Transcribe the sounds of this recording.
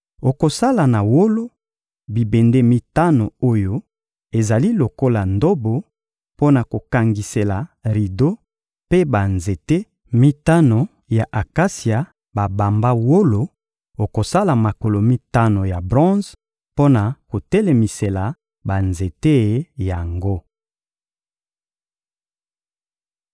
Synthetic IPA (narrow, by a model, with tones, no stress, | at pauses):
o˨ko˨sa˦la˨na˨wo˦lo˦ | bi˨be˨nde˦mi˦ta˦no˨o˦jo˦ | e˨za˨li˦lo˨ko˦la˨ndo˦bo˨ | po˦na˨ko˨ka˨ŋɡi˨se˨la˨ʁi˨do˦ | pe˦ba˨nze˨te˦ | mi˦ta˦no˨ | ja˨ʔa˨ka˦sja˨ | ba˨ba˨mba˦wo˦lo˨ | o˨ko˨sa˦la˨ma˨ko˨lo˨mi˦ta˦no˨ja˨bʁɔ̃˦z | po˦na˨ko˨te˦le˨mi˨se˨la˨ | ba˨nze˨te˦˨ja˨ŋɡo˦